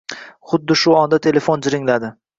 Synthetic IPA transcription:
χʊd̪ːɪʃʊɒnd̪at̪ʰe̞le̞fond͡ʒɪɾɪŋlad̪ɪ

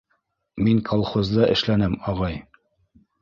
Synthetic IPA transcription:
miŋkʰɑlˠχozd̪ɑʔɘ̰̆ʃlænɘmɑʁɑj

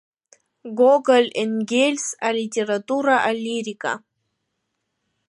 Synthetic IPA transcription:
ɡoɡalʲenɡʲelʲsalʲitʲeɾat̪uɾaʔaliɾikʼa̰

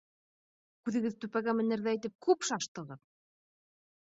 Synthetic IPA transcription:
kʉðɘ̆ɡɘðt̪ʉpæɡæmɘ̆nɘ̆ɾðæit̪ɘp̚kʰʉpʃɑʃt̪ɤ̆ʁɤð

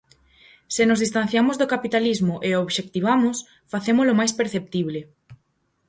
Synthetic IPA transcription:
sɪnozðist̪ãn̟θjamoʊzðokapit̪alizmʊʔeoβʃek̚t̪iβ̞amʊs | faθemʊzlomajspeɾθep̚t̪iβ̞lɪ

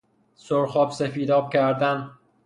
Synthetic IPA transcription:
soɾxɒːbsefiːd̪ɒːb̚cʰæɾd̪æn

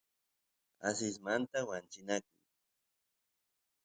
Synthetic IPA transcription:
as̬ɪs̬mant̪awant͡ʃɪnakʊ̰j

